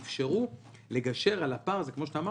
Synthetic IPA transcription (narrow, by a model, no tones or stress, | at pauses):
fʃeʁu | le̞ɡaʃe̞ʁalapaʁzekmo̞ʃ̬et̪aːma